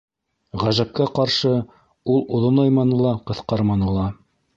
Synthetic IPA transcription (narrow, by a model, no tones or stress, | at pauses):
ʁæʒæp̚kæqɑɾʃɤ | ulˠŏðonojmɑnɤlˠɑqɤ̆θqɑɾmɑnɤlˠɑ